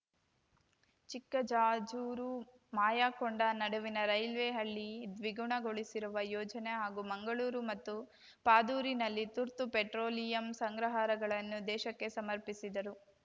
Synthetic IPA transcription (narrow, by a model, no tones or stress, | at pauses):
t͡ʃikːɐd͡ʒaːd͡ʒuːɾu | maːjaːkoɳɖɐnɐɽuʋinɐɾɐjlʋeɦɐɭːid̪ʋiɡuɳɐɡoɭisiɾuʋɐjɔːd͡ʒɐne̞ɦaːɡumɐŋɡɐɭuːɾumɐt̪ːu | paːd̪uːɾinɐlːit̪uɾt̪upeʈɾoːlijɐmsɐŋɡɾɐɦaːɾɐɡɐɭɐnːud̪ɛːʃɐkːe̞sɐmɐɾpisid̪ɐɾu